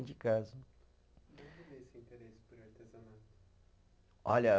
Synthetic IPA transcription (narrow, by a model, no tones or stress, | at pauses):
d͡ʒɪkazʊ | ɐ̃veesɪĩnt̪eɾesɪ̥pɐɾʊaɾt̪ezɐnat̪ʊ̥ | ɔʎɐ